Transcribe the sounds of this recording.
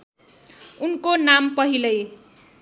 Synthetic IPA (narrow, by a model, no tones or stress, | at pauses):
unkonampʌɦilʌj